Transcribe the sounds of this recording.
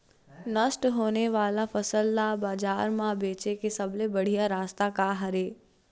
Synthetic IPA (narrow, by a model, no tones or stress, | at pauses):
nəʃʈɦoːneʋaːlafəsəlːabaːd͡ʒaːɾmãbeːt͡ʃekesəblebəɽ̤ijaɾaːst̪akaɦəɾeː